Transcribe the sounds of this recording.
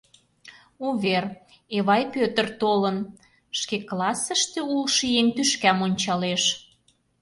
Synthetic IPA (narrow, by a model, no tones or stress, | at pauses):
uβer | eβɑjpøt̪ərt̪olən | ʃkeklɑsəʃt̪eulʃijent̪yʃkæmonʲt͡ɕɑleʃ